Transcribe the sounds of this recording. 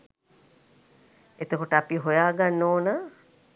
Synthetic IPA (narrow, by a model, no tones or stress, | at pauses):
et̪əkoʈəapiɦojaːɡanːoːnaː